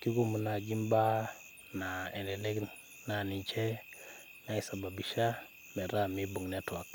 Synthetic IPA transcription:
ki˦ku˦˨mu˨na˨ɡi˦mba˦ | na˨ɛ˨nɛ˨lɛ˦k | na˨ni˨t͡ʃɛ˦ | na˦i˨sa˨ba˨bi˨ʃa˦ | mɛ˨ɾa˦˨mi˦bu˨ŋnɛ˦twa˨k̚

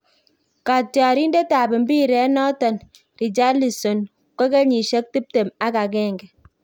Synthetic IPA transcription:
ka˨ta˨ɾi˦n˦de˦ta˨bɛ˨m̩˦bi˦˨ɾɛ˨˦nɔ˦tɔ˨n | ɾi˨d͡ʒa˦li˨so˨n | kɔ˦kɛ˦ɲi˨ʃe˦k̚ti˦p̚te˨ma˦ka˨k̬ɛ˦˨ŋɡɛ˨

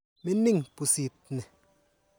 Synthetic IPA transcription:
me˦nɪ˦ŋpu˨si˨t̪̚ne˨

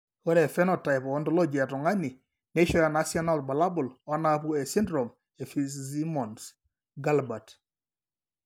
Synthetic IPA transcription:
ɔ˦ɾɛ˨fɛ˦nɔ˨ta˨jpɔ˨ɔ˦ntɔ˦lɔ˦d͡ʒi˨a˨tɔ˨ŋa˦ni˨ | ne˦ʃɔ˦ja˨na˦sjɔ˦na˦lt̚ba˨la˦bʊ˨lɔ˦na˦pu˦ɛ˨si˦ndɾɔ˨m | e˨fiszi˦mɔ˨ns | ɡa˦lba˨t

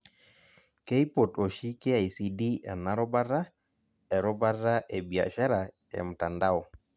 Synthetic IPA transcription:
ke˦i˦pɔ˨to˨ʃi˦ke˦a˨i˨si˨di˦ɛ̰˨na˦ɾɔ˦ba˦ɾa˦ | ɛ˨ɾɔ˦ba˦ɾa˦ʔɛ˨bi˨a̰˨ʃa˦ɾa˨ | ɛ̰˨m̩˨ta˨nda˦ɔ˨

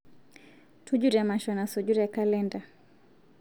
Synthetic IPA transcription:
tʰu˦d͡ʒu˦ɾa˨maʃɔna˨sɔd͡ʒu˦ɾɛka˦lɛnda˨

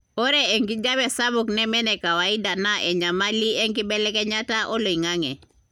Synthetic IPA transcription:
o˦ɾɛ˦e˨ŋɡi˦d͡ʒa˦bɛ˨sa˦bʊ˨knɛ˦mɛ˦nɛ˨ka˨wa˨i˦da˨na˦ʔɛ˨ɲa˨ma˦li˦ɛ˦ŋɡi˦bɛ˦lɛ˦kɛ˦ɲa˦ta˦ʔo˦lo˨i˨ŋa˦ŋɛ˨

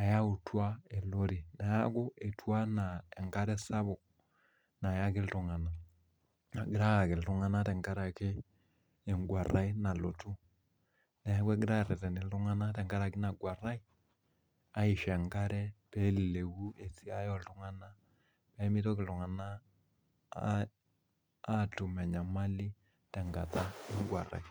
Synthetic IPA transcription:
a˨ja˦u˨twa˦e˨lo˦ɾi˨na˨ja˦ɡu˦ʔe˨tu˦a˦na˨e˨ŋka˦ɾɛ˦sa˦bu˨ | na˨ja˦ki˦ltu˨ŋa˨na˨ | a˨ɡi˦ɾa˦a˨ki˨ltu˦ŋa˦na˦tɛ˨ŋka˦ɾa˨keː˦˨ | ŋɡwa˨ɾa˦i˦na˨lo˨tu˦ | nɛ˨˦kʷwɛ˦ɡɪ˦ɾa˦˨ɾɛ˨tɛ˨nɪ˨ltʊ˦ŋa˦na˦tɛ˨ŋka˦ɾa˨kɪ˦na˨ɡwa˨ɾa˦i˦ | a˦ɪ˨ʃɛ˨ŋka˦ɾɛ˦pɛ˦lle˨wu˦e˨si˦a˦jɔ˨ltʊ˦ŋa˦na˦ | pɛ˦mɪ˦tɔ˦kɪ˨ltu˨ŋa˨na˦˨ | tu˨mɛ˨ɲa˨ma˦li˦ | tɛ˨ŋɡa˨ta˦ɪ˦ŋɡwa̰˨ɾa̰˨i˦

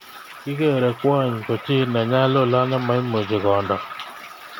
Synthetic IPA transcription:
kɪ˦ke˦˨ɾɛ˨kwa˦˨ɲ˨kɔ˨t͡ʃɪ˦na˨ɲa˦lo˦˨la˦na˦ma˨i˦mo˨d͡ʒe˨kɔ˨ndɔ˨

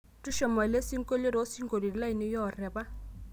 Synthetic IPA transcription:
tu˦ʃɔ˨ma˨le˦si˦ŋko˦le˦ɾo˨˦si˦ŋɡo˨ɾi˨ɾla˦i˨nɪ˦jɔ˦˨rɛ˨ba˦

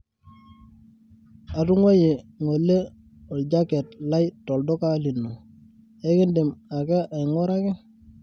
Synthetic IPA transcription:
a˨tʊ˦ŋwe˦je˨ŋo˨lːe˦ | o˨lɟa˦kɛ˨tla˦jtɔ˨ldo˦ka˦li˨nːo˨ | e˦kɪ˦ndɪ˨ma˨kɛ˦ʔa˨ɪ˨ŋo˦ɾa˦kɛ˦

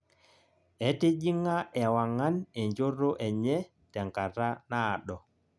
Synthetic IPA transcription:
ɛ˨te˦d͡ʒi˦ŋːa˦ʔɛ˨wa˨ŋːa˦nɛ˨ɲd͡ʒo˦rːɔ˦ʔɛ˨ɲɛ˦ | tɛ˨ŋka˨ɾa˦naː˦˨ɗɔ˨

